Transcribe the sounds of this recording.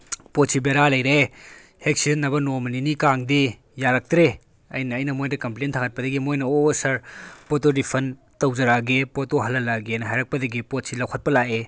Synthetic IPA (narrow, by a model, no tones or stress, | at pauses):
potsibeɾalɐjɾe | hek̚sidɐnːɐbɐnomɐninikaŋdi | jaɾɐk̚tɾe | ɐ̰jnɐːjnɐmojdɐkɐmplentʰaŋɐt̚pɐdɐɡimojnɐosɐɾpotodipʰɐn | tɐwzɐɾaɡepotoɦɐlːɐlaɡenɐɦajɾɐk̚pɐdɐɡipot̚silɐwkʰɐt̚pɐlaʔe